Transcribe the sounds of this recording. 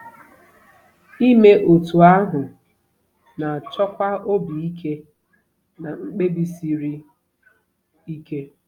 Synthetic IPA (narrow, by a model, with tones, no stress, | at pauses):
i˦me˦ʔo˨tu˨a˦ɦʊ˨ | na˨t͡ʃɔ˦kʷa˦o˦bi˨i˦kʰe˦ | na˨ŋ͡m̩˦k͡pe˦bi˦si˨ɾi˦ | i˦ke˦